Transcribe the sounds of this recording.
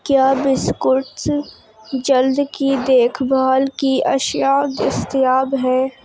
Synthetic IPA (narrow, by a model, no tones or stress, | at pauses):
kjaːbɪskʊʈs | d͡ʒɐld̪kid̪eːkʰbʱaːlkiʔɐʃjad̪ɪst̪jaːbɦɛː